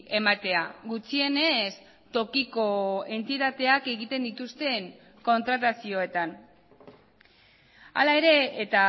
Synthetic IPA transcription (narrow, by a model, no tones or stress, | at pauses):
e̞mat̪e̞aɣut͡sie̞ne̞s | t̪o̞kiko̞e̞nt̪it̪at̪e̞ake̞ɣit̪e̞nd̪it̪ust̪e̞ŋ | ko̞nt̪ɾat̪̬asio̞e̞t̪an | a̰lae̞ɾe̞ːt̪a